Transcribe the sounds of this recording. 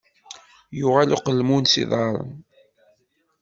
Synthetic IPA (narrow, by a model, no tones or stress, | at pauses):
jʊʁæluqəlmunsḭðˤɑɾˤə̰n